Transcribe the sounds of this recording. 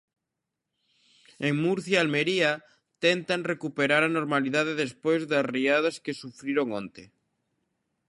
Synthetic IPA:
eŋmuɾθjaːlmeɾia | t̪ent̪anrekupeɾaɾanoɾmaliðað̞eðespojzðasriað̞askesufɾiɾoŋõnt̪e

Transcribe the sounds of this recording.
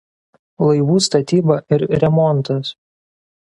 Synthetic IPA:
lˠɐɪʋuːst̪ɐt̪ʲiːbɐʔɪɾɾʲɛmɔnt̪ɐs

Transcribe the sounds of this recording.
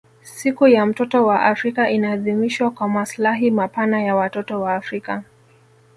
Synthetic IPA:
sikujam̩tɔtɔwaʔafɾikaʔinaːðimiʃwakwamaslaɦimapanajawatɔtɔwaːfɾika

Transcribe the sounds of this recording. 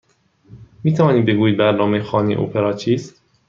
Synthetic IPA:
miːt̪ʰævɒːniːbeɡuːjid̪̚bæɾnɒːmejexɒːnḭʔo̰pʰeɾɒːt͡ʃʰiːst̪

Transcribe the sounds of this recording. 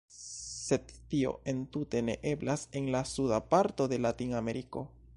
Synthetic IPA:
se̞d̪ːio̞̰e̞nt̪ut̪e̞ne̞̰ʔe̞blase̞nlasudapaɾt̪o̞d̪e̞lat̪iname̞ɾiko̞̰

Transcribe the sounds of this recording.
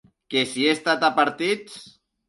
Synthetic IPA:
kesiest̪at̪apaɾt̪it͡s

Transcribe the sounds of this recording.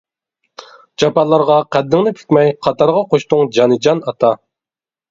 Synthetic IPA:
d͡ʒɑpɑlˠːɑɾʁɑqʰæd̪ːɪŋnɪpʰi̥kʲmɛjqʰɑt̪ʰɑɾʁɑqʰoʃt̪ʊŋd͡ʒɑnɨd͡ʒɑnɑt̪ʰɑ

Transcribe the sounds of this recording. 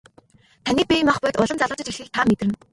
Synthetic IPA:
t̪ʰaniːk̚pʲimaχpʊːt̪ʊɮə̆mt͡saɮʊ̆ːt͡ɕə̆t͡ɕixɘ̆kt̪ʰamet̪rɘ̆n

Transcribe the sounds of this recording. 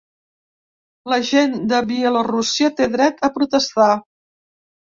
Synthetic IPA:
ləʒend̪əβiɛlorusiət̪eðɾɛt̪əpɾut̪əst̪a

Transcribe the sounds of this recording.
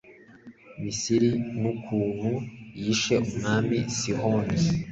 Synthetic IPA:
misiɾinukʰuːn̥hujiʃe̞ʔumuŋaːmisihoni

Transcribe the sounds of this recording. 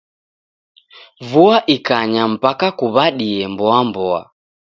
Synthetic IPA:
vuaʔikaɲam̩pakakuβaɗiɛmbɔambɔa̰

